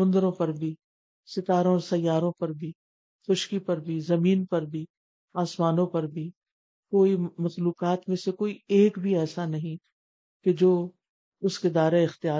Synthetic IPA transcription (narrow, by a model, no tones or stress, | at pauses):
ʊ̃nd̪ɾõpɐɾbʱi | sɪt̪aːɾõɔːɾsɐjːaːɾõpɐɾbʱi | xʊʃkipɐɾbʱizɐmiːnpɐɾbʱi | aːsmaːnõpɐɾbʱi | koːimɐxluːqaːt̪mẽsekoːieːkbʱiɛːsanɐɦĩ | ked͡ʒoː | ʊsked̪aːɾeɪxt̪ɪjaː